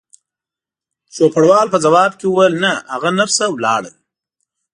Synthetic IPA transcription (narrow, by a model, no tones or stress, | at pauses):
ʃopaɽwɑːlpəzawɑːbkewuwəlnahaɣanafsawlɑ̰ːɽə̰l